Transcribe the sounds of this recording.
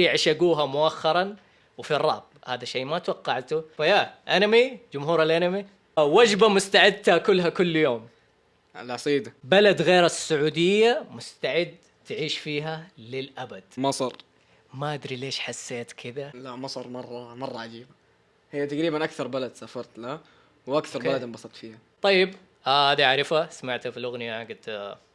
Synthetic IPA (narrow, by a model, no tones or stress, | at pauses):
ʕʃaɡuːɦamʊʔaxːɑɾˤɑn | wɪfirˤːɑ̰ːb̚ | haːðaʃejːmat̪wɑqːɑʕt̪ufajaʔanamid͡ʒʊmhuːɾalʔanami | wad͡ʒbamʊst̪aʕɪd̪t̪akʊlːɦakʊlːjoːm | a̰lʕɑsˤiːd̪abalad̪ɣeːɾasːʊʕuːd̪ɪjːamʊst̪aʕɪd̪ | t̪ɪʕiːʃfiːɦalɪlʔabad̪̥mɑsˤɑɾˤ | maʔad̪ɾileːʃħasːeːt̪kʰɪd̪alaʔmɑsˤɑɾˤmɑrˤːɑmɑrˤːɑʕad͡ʒiːba | hɪjːat̪aɡɾiːbanʔakθɑɾˤbalad̪safɑɾˤt̪la | wʔakθɑɾˤbalad̪ɪmbɑsˤɑt̪fiːha | t̪ˤɑjːɪb | ʔahaːd̪iaʕɾˤɪfasamaʕt̪hafilʔʊɣnɪjaaɡɪt̪